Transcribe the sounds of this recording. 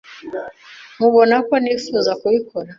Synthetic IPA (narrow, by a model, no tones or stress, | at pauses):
muβonakonifuzakuβikoɾa